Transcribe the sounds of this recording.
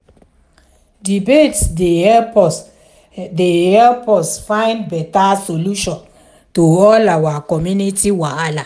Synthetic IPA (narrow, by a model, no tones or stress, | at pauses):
dibetse | dehɛlpɔsfãɪ̃ndbɛtasoluʃɔ̃n | toɔlawakɔmjunitiwaala